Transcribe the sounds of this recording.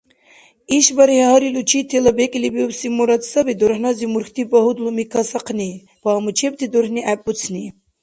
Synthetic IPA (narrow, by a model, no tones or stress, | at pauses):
iʃbaɾihhaɾilut͡ʃʰit̪ʰeləbekʼlibiubsimuɾat̪səbid̪oɾhnɑzimuɾxt̪ʰibɔɦud̪lumikʰasɑqʰni | paːmut͡ʃʰep̚t̪ʰid̪oɾhniʔæpːut͡sʰni